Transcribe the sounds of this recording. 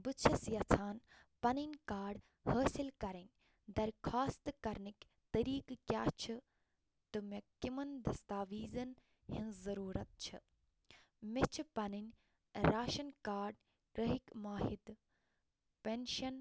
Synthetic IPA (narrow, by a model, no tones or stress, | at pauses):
bɨt͡ʃʰɐsjɐt͡sʰaːn | pɐninʲkaːɾɖ | həːsilkɐɾɐnʲ | d̪ɐɾkʰaːst̪ɨkɐɾnik | t̪ɐɾiːkkʲjaːt͡ʃʰɨ | t̪ɨmekimɐnd̪ɐst̪aːʋiːzɐn | hĩnzɐɾuːɾɐt̪̚t͡ʃʰɨ | met͡ʃʰpɐninʲ | ɾaːʃɐnkaːɾɖ | kɾɐɦikmaːɦid̪ | penʃɐn